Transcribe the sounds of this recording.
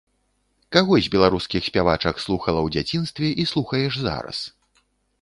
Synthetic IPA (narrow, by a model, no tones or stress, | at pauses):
kaɣɔzʲbʲɛlˠaɾuskʲixsʲpʲavat͡ʂɐkslˠuxɐlˠɐwd͡zʲat͡sʲinst̪vʲɛʔislˠuxɐjɛʐza̰ɾɐ̰s